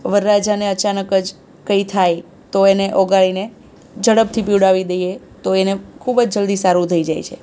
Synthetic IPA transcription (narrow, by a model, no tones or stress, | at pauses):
ʋəɾːad͡ʒaneət͡ʃanəkəd͡ʒ | kəit̪ʰaj | t̪oeneʔoɡaɭine | d͡ʒəɽəb̚t̪ʰipiwɽaʋid̪əje | t̪oenekʰubd͡ʒd͡ʒəld̪isaɾũt̪ʰəid͡ʒa̰jt͡ʃʰe